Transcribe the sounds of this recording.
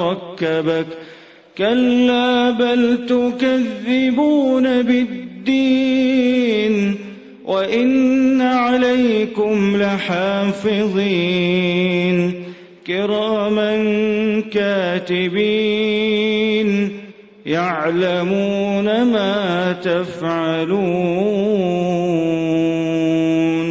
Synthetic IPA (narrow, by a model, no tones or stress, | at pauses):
ɑkːabak | kalːaːbalt̪ʊkaðːɪbuːnabɪdd̪ːiː | n | wʔaʔɪnːaʕalajkʊmlɪħaːfɪðˤiː | n | kɪɾaːmankaːt̪ɪbiː | n | jaʕlamuːnamaːt̪afʕaluː | n